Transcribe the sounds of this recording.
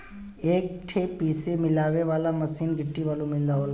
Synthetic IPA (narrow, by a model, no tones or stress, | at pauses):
eːk̚ʈʰepiːsemɪlaːʋeʋaːlaməsiːnɡʱɪʈːiʋaːlũmɪld̪aɦol